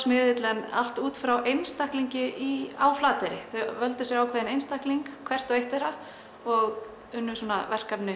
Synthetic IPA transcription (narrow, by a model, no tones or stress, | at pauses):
smɪðɪt̪lɛna̰l̥t̪uːt̪fɾawʔejnst̪ahkliɲcɪʔiaːwflaːt̪ɛɾɪθœɥvœlt̪ʏsjɛɾawkʰvɛːðɪnejnst̪ahkliŋkkʰvɛr̥t̪ɔɣejht̪ɛɾa | ɔɣ | ʏnːʏsuːnavɛr̥kapnʏ